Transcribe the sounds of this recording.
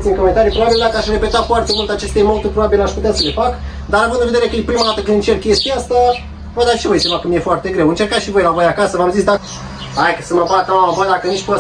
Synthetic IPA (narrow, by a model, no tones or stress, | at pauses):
t̪simkome̞nt̪aɾipɾo̞babild̪akəaʃre̞pe̞t̪at̪foart̪e̞mult̪eat͡ʃe̞st̪ejmot̪urʲpɾo̞babileaʃput̪easəle̞fak | d̪aɾavɨnd̪ɨnved̪eɾe̞kəepɾimad̪at̪əkɨnd̪ɨnt͡ʃe̞rt̪̚kʲe̞st̪iaast̪a | vojd̪aʃivo̞jsemakəmije̞foart̪eɡɾewɨnt͡ʃe̞rkaʃivo̞jlavo̞jakasəvamzis̬d̪a | ajkəsəmapat̪avad̪akəniʃp